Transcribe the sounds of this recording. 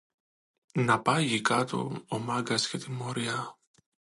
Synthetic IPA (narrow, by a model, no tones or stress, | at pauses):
nɐpɐʝikɐt̪o̰omɐɡɐscet̪imːoɾiɐ